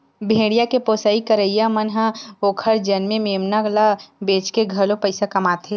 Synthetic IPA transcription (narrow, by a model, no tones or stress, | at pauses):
bʱẽːɽijakepoːsaːikəɾəijamənɦãoːkʰəɽd͡ʒɐnmẽmeːmnaɡlabeːt͡ʃkeɡʱɐlõpəɪsakɐmaːt̪ʰe